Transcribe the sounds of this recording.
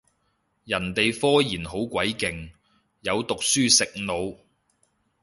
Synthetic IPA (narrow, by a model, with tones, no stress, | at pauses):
jɐ˨˩nt̪e˨jfɔː˥jiː˨˩nɦo˨˥wkʷwɐ˨˥jkɪ˨ŋ | jɐ˨˧wt̪ʊ˨k̚syː˥sɪ˨k̚no˨˧w